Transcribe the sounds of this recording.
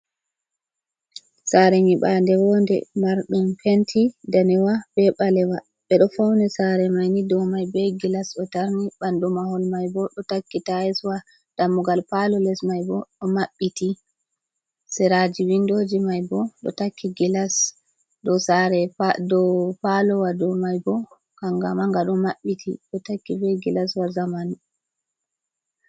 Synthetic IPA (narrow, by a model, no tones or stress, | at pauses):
saɾɛŋiɓandɛwɔndɛ̰maɾɗumfentʰidanɛwabɛɓalɛwa | ɓɛɗɔfawnɛsaɾɛmajnidɔmajbɛɡilasɗɔtaɾniɓandɔmaɦɔlmajbɔɗɔtakːitaɛswa | d̥amːuɡalpalɔlɛsmajbɔɗɔmaɓːiti | sɛɾad͡ʒiwindoːd͡ʒimajbɔɗɔ̰takʰːiɡilas | ɗɔsaɾɛdɔpalɔwadɔmajbɔ | kaŋɡamaŋɡaɗɔmaɓːitʰḭɗɔtakːibɛɡilaswazaman